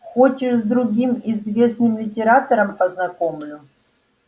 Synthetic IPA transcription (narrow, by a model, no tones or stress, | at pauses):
xot͡ɕɪʂzd̪ɾʊɡʲimizvʲe̞snɨmlʲɪtʲɪɾat̪əɾəmpəznɐkomlʲʊ